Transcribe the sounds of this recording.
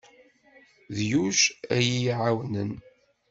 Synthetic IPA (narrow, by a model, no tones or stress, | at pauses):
ðjuʃæ̰jijʕawnən